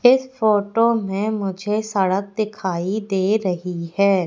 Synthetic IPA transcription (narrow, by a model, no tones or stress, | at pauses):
ɪsfoːʈomẽmʊd͡ʒʱesɐɽək̚d̪ɪkʰaːid̪eːɾɐɦiɦɛː